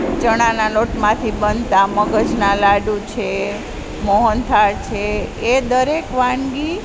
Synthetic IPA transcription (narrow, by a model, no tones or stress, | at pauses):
t͡ʃəɽ̃analoʈmãt̪ʰibənt̪aməɡəd͡ʒnalaɖut͡ʃʰe | mɔɦənt̪ʰaɾt͡ʃʰeed̪əɾekʋãɳɡi